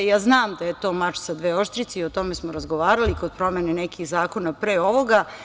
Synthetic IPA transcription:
jaːznaːmd̪aje̞t̪o̞ːmat͡ʃsad̪ʋeːo̞ʃt̪ɾit̪seiot̪o̞mesmoɾazɡo̞ʋaːɾalikod̪̚pɾo̞menenekixzaːko̞napɾeːo̞ʋo̞ɡa

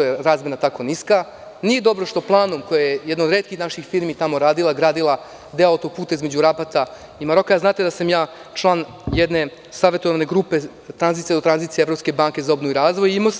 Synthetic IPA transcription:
ojeɾaːzmenat̪ako̞niska | nijed̪o̞bɾo̞ʃt̪o̞plˠaːnumko̞jajejɛd̪naod̪ɾeːt̪kixnaʃixfiːɾmit̪amo̞ɾaːd̪ilˠaɡɾaːd̪ilˠa | d̪eoaot̪opuːt̪aizme̞d͡ʑuɾapat̪a | imaɾo̞kajaznaːt̪ed̪asamjaː | t͡ʃlˠaːn | jɛd̪ne̞ | saːʋe̞t̪oʋane̞ɡɾupe̞ | t̪ɾanzit̪jeot̪ɾanzit̪sijevɾopskebaŋke̞zaobnouiɾaːzʋojimos

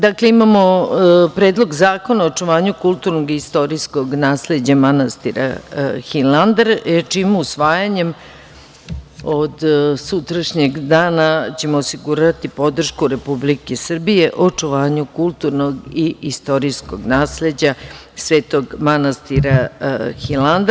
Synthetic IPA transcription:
d̪akleimamo̞pɾeːd̪lˠo̞ɡzaːko̞naot͡ʂuʋaːɲukulˠt̪uɾnoɡiist̪o̞ɾisko̞ɡnaːsle̞d͡ʑamanast̪iɾa̰xiland̪eɾt͡ʃimuusʋaːjaɲe̞m | od̪sut̪ɾaʃɲeɡd̪aːnat͡ɕe̞moːsiɡuɾat̪ipo̞d̪r̩ʃkuɾe̞publikesr̩bije̞ʔot͡ʂuʋaːɲukulˠt̪uɾnoɡiist̪o̞ɾiskoɡnaːsle̞d͡ʑa | sʋe̞ːt̪oɡmanast̪iɾaxiland̪

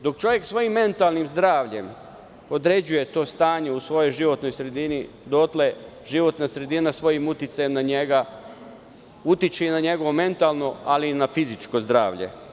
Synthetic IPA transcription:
d̪o̞kt͡ʃo̞ʋje̞ksʋo̞jimːe̞nt̪alnimzd̪ɾaːʋʎe̞m | o̞d̪ɾe̞d͡ʑuje̞t̪o̞ːst̪aːɲe̞usʋo̞jo̞jʒiʋo̞t̪no̞jsɾe̞d̪ini | d̪o̞t̪le | ʒiʋo̞t̪nasɾe̞d̪inasʋo̞jimut̪it̪sajemnaɲeɡa | ut̪it͡ʃenaɲe̞ɡo̞ʋo̞me̞nt̪alˠno̞alinafizit͡ʃko̞zd̪ɾa̰ːʋʎe̞̰

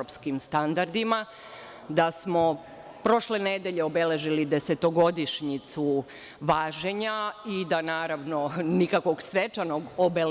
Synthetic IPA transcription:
opskimst̪and̪aɾd̪ima | d̪asmo | pɾo̞ʃle̞ned̪e̞ʎe̞obe̞le̞ʒilid̪ese̞t̪o̞ɡo̞d̪iʃɲit̪su | ʋaːʒe̞ɲaid̪anaːɾaʋno̞nikakʋo̞ɡsʋet͡ʃano̞ɡobel

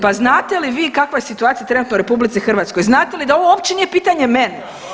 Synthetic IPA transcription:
paznaːt̪e̞liʋiːkakʋajesit̪uaːt̪ijat̪ɾenut̪nouɾe̞publit̪sixr̩ʋat̪sko̞jznaːt̪elid̪ao̞ʋoopt͡ɕeniːje̞piːt̪aɲe̞menɛ

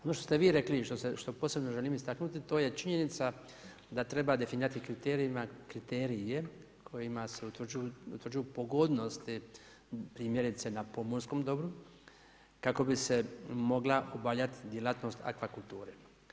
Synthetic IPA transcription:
onoʃt̪ost̪eʋiːɾe̞kliʃt̪oseʃt̪o̞poːsebno̞ʒeliːmist̪aknut̪it̪o̞ːje̞t͡ʃiɲenit̪sa | d̪at̪ɾe̞bad̪e̞finiːɾat̪ikɾit̪eːɾiimakɾit̪eːɾije̞kʰo̞jimase̞ut̪ʋrd͡ʒujuṵt̪ʋɾd͡ʒujupo̞ɡod̪no̞st̪i | pɾiːmje̞ɾit̪se̞napo̞monsko̞md̪o̞bɾu | kako̞bise̞mo̞ɡlaʔobaʎat̪i̥d̪je̞lat̪no̞st̪a̰kʋakult̪uːɾe

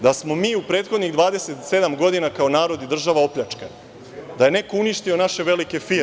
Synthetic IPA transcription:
d̪asmo̞miːupɾeːt̪xo̞d̪niɣd̪ʋaːd̪e̞se̞t̪se̞d̪amɡo̞d̪inakao̞naːɾo̞d̪id̪r̩ʒaʋao̞pʎʲat͡ʂke | d̪ajene̞ko̞uniʃt̪io̞naʃe̞ʋe̞like̞fiː

